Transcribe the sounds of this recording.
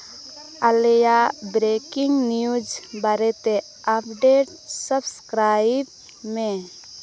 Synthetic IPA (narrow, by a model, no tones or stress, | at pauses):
alejabɾekɪŋɡnijud͡ʒbaɾet̪e | əpʰɖeʈ | səbskɾaib̚ | mẽ